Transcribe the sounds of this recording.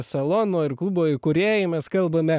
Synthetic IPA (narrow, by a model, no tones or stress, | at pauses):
sɐlˠoːnoːɪɾklˠuboːɪkʊɾʲeːjɪmʲɛskɐlˠbɐmʲɛ